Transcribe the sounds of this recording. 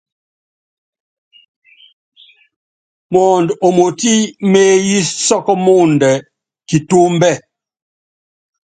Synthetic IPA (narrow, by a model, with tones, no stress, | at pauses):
mɔː˨ndo˨mo˨ti˦me˦ji˦sɔ˦kɔ˦mo˦n˨dɛ˨ | ki˨to˦m̩˦bɛ˦˨